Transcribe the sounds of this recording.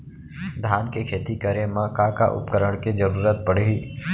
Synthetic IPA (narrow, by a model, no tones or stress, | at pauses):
d̪ʱaːnkekʰeːt̪ikəɾemãkakaʔʊ̰pkəɾəɽ̃ked͡ʒəɾuːɾət̪̚pəɽ̤iː